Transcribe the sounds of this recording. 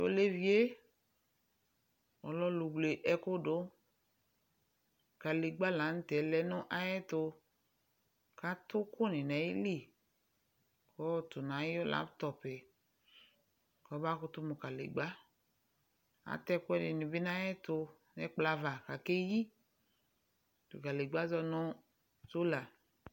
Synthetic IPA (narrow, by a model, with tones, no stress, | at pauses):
jo̰˦le˦vi˨e˦ | ɔ̰˨lɔ˦lu˨ɡ͡ble˨ʔɛ˨kʊ˦do˨˦ | ka˨le˨ɡ͡ba˦la˨˦n̩˦tɛ˨lɛ˨nʊ˦ʔa˦jɛ˦tʊ˧ | ka˦tʊ˦kʊ˦ni˨nɛ˨˦i˦li˦˨ | kɔ˦tu˨na˨˦o˦la̰˦btɔ˨pɛ˨ | kɔ˨˦ba˦kʊ˦tu˦mu˨ka˨lḛ˨ɡ͡ba˦ | a̰˨tɛ˦kʊ˦ɛ˦di˨ni˨bi˦n˦a˦jɛ˦tʊ˧ | nɛ˦k͡pla˧va˨ka˨ke˦ji˦ | tṵ˨ka˨le˨ɡ͡ba˦zɔ˧nʊ˦ | so˦la˨